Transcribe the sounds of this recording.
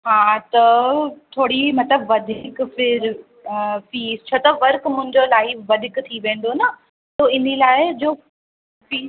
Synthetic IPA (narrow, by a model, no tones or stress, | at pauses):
ɦaːt̪ɐt̪ʰoːɽimɐt̪ləbʋɐd̪ʱɪkfɪɾ | fiːst͡ɕʰoːt̪ɐʋɐɾkmʊ̃ɦɪ̃ɲd͡ʑolaːiʋɐd̪ʱɪkt̪ʰiʋẽːn̆d̪onɐ | soːɪnilaːɪd͡ʑoː | fiː